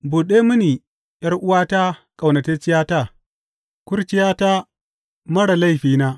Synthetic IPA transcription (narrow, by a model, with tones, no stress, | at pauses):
buː˨ɗeː˦mʊ˦niː˨ | jɐ˦rʔʊ˦waː˦ta˦kʼa˨wnɐ˨te˦t͡ʃɪ˦jaː˦ta˦˨ | kʷʊ˦ɾt͡ʃɪ˦jaː˦ta˦ | mɐ˦ɽa˨la˦˨jɸiː˦naː˦